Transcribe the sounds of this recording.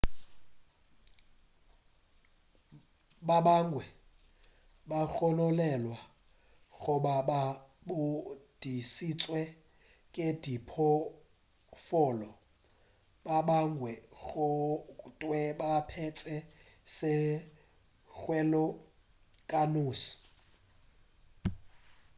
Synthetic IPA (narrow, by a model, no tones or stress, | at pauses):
ɓaɓaŋɡʱwɛ | ɓaxɔlɔlɛlwa | ɣɔɓaɓa | ɓod̥ʱisit͡sʼwɛ | kʼed̥ʱipʰɔ | fɔːlɔ | ɓaɓaŋɡʱwɛɣɔtʼwɛɓapʰɛt͡sʼɛ | sɛ | xwɛlɔ | kʼanuːsi̥